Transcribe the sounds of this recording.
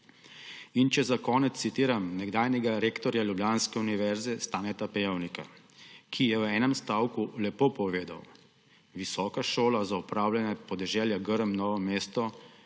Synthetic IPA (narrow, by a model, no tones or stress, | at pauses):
int͡ʃɛzakɔːnɛt̪ssit̪iːɾamnɛɡd̪aːjnɛɡaɾeːkt̪ɔɾjaljubljaːnskɛuniʋɛɾzɛst̪aːnɛt̪apɛjɛwnika̰ | kʰijɛwɛːnɛmst̪aːwkulɛpoːpɔʋeːd̪a̰w | ʋisɔːkaʃoːlazaupɾaːwljanɛpɔd̪ɛʒɛːljaɡəɾəmnɔːʋɔmeːst̪ɔ